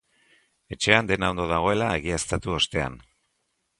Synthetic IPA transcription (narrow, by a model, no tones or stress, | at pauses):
e̞t͡ʃe̞and̪e̞naownd̪o̞ð̞aɣ̞o̞e̞lae̞ɣ̞iast̪at̪uo̞st̪e̞a̰n